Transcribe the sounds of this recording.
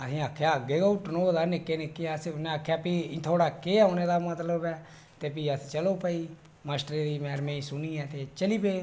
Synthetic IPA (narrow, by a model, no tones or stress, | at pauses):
əsĩːaːkʰːjaːəɡeːɡaːʊʈːnõːəd̪aːnɪkːeːnɪkːeasʊnẽaːkʰːjaːpĩːt̪ʰoːɽaːkeːaːneːd̪aːmət̪ləbɛː | t̪eːpiːəst͡ʃəloːpəiː | maːsʈəɾeːd̪iːmɛːɾmẽːĩːsʊniːɛːt̪eːt͡ʃəliːpeː